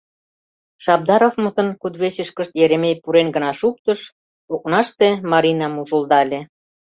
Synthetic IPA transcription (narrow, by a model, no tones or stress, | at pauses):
ʃɑb̚d̪ɑɾofmɤ̆t̪ə̆nkud̪βeɕĕʃkə̆ʃt̪jeɾemejpuɾenɡə̆nɑʃuk̚t̪ə̆ʃ | ok̚nɑʃt̪emɑɾʲinɑmuʒuld̪ɑlʲe